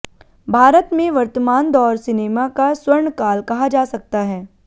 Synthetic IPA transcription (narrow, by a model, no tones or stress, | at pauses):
bʱaːɾət̪mẽʋɐɾt̪əmaːnd̪ɔːɾsɪneːmakaswɐɾɳkaːlkɐɦad͡ʒaːsɐk̚t̪aɦɛː